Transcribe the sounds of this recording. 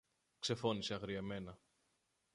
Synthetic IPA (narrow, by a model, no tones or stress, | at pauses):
kse̞fo̞niseɐɣɾieme̞nɐ